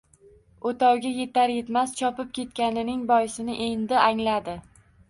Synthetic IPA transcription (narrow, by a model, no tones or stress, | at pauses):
ot̪awɡʲaje̞t̪aɾje̞t̪mast͡ʃʰɒpɪp̚kʲʰe̞t̪̚kʲanɪnɪŋbɒjɪsɪnɪʔejnd̪ɪaŋlad̪ɪ